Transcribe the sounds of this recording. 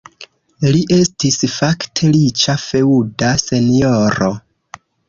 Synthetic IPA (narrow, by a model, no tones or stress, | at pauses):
liʔe̞stisfaktʰe̞lit͡ʃafe̞udase̞nioɾo̞